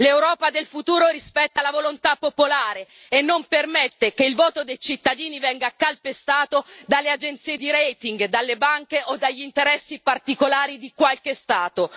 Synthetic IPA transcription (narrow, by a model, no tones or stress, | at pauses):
lewɾɔːpad̪elfut̪uːɾoɾispɛt̪ːalavolont̪apːopolaːɾe | enːompermɛt̪ːekeilvoːt̪od̪ejt͡ʃit̪ːad̪iːnivɛŋɡakalpest̪aːt̪od̪alːead͡ʒent̪siːed̪iɾɛjt̪iŋɡd̪alːebaŋkeʔod̪ːaʎːint̪eɾɛsːipart̪ikolaːɾid̪ikwalkest̪aːt̪o